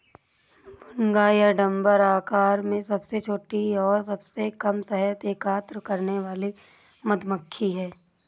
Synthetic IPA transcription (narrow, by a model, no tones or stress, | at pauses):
bʱʊŋɡaːjəɖɐ̃mbəɾaːkaːɾmẽsɐbset͡ʃʰoːʈiɔːɾsɐbsekɐmsɛɦət̪eːkaːt̪ɾəkɐɾneʋaːli | mɐd̪məkʰːiɦɛː